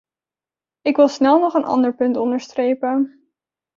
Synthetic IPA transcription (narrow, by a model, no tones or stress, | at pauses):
ɪkʋɪlˠsnɛlˠnɔχənʔɑ̰ndəɹpɵntɔndəɹstrejpən